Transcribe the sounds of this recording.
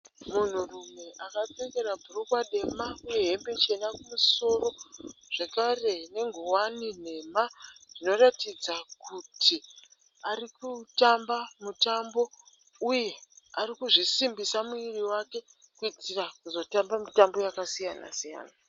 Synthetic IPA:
mun̤urume̞ʔakap͡feke̞ɾabʱurukwaɗe̞maujeeɦe̞mbe̞t͡ʃe̞nakumuso̞ro̞ʐ̥e̞kare̞ne̞ŋɡʱuwanin̤e̞maʐ̥ino̞ratid͡zakʰutʰi | arikutambamutambo̞ | uje̞arikuʐisimbisamuiriwake̞ | kuid͡zirakuzo̞tambamitambo̞jakasijana̰sija̰ːna

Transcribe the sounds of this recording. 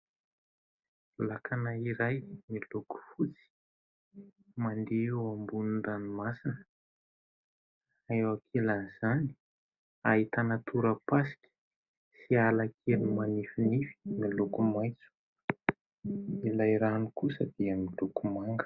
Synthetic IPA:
lakanaiɾajmiloku̥fut͡si̥ | mand̪eewambunund̪animasinə | aewakʰilaniz̥ani̥ | aɦit̪anat̪uɾəpasi̥kʲi̥ | sialakʰelnimanifinifi̥milukumajt͡su̥ | ilajɾanikusəd̪̥iamilukumaŋɡə̥

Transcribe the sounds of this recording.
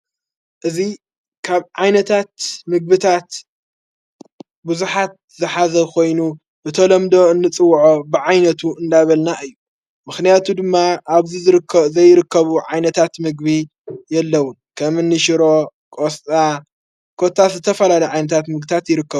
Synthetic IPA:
ʔɨzi | kʰaβʕajnɐt̪ʰat̪mɨɡ̚bɨt̪ʰat̪ | buzuħat̪̚zɨħazɐkʰo̞jnu | bɨt̪ʰɐlɐmd̪o̞ɨnːɨt͡sʼɨwːʕobɨʕajnɐt̪ʰuɨnd̪aβɐlnaʔɨjːu | mɨxnijat̪ʰud̪ɨmːaaβzizɾkzɐjːɾɨkʰːɐβuʕajnɐt̪ʰat̪mɨɡbi | jɛlːɐwunkʰɐmɨnːɨʃɪɾo̞kʼost͡sʼa | kʰo̞t̪ʰːazɨt̪ʰɐfɐlalɐʕajnɐt̪ʰat̪mɨɡ̚bɨt̪ʰat̪jɪɾɨkːɐβu

